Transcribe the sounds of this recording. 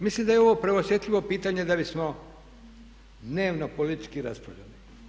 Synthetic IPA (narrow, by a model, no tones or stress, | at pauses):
mislimd̪ajeo̞ʋo̞pɾeosje̞t̪ʎʲiʋo̞piːt̪aɲe̞d̪abismo | d̪ne̞ːʋnopolit̪it͡ʃkiɾa̰spɾa̰lʎa̰li